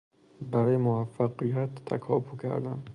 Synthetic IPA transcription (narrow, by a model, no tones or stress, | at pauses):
bæɾɒːjemoæfːæqijæt̪ʰːæ̰kʰɒːbukʰæ̰ɾd̪æm